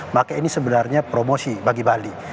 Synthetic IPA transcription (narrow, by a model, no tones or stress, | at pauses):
makainisəbənarɲapɾomosibaɡibali